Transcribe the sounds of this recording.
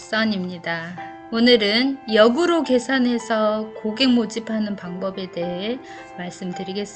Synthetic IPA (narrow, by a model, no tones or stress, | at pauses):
s͈ʌɲimɲida | onɯɾɯnjʌɡuɾoke̞sʰanɦe̞sʰʌkoɡe̞ŋmod͡ʑipʰanɯnpaŋbʌbe̞de̞ɦe | maɭs͈ɯmdɯɾiɡe̞s͈ɯ